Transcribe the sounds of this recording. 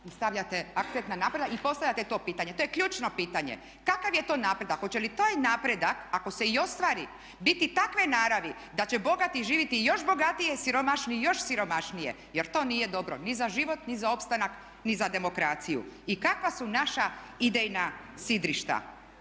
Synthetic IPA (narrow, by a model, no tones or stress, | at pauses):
st̪aʋʎat̪eak̚t̪ent̪nanaːpɾe̞d̪akipo̞st̪aʋʎʲat̪et̪o̞ːpiːt̪aɲe̞t̪ojekʎuːt͡ʃno̞piːt̪aɲḛ | kakaʋjet̪o̞ːnaːpɾe̞d̪akot͡ɕelit̪aːjnaːpɾe̞d̪akako̞se̞io̞st̪ʋaːɾi | bit̪it̪akʋenaːɾaʋi | d̪at͡ɕebo̞ɡat̪iʒiːʋit̪ijo̞ʃbo̞ɡat̪ijesiɾo̞maʃnijo̞ʃsiɾo̞maʃnijḛ | jeɾt̪o̞ːnije̞d̪o̞bɾo̞̰nizaʒiʋo̞t̪nizao̞pst̪anak | nizad̪e̞mo̞kɾat̪sijṵikakʋasunaʃaid̪ejna | sid̪ɾiʃt̪a̰